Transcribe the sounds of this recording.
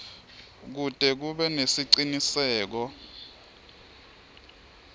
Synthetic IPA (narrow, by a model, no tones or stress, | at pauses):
k̬ud̥ʼɛk̬uɓɛnesiǀinisɛːk̬ɔ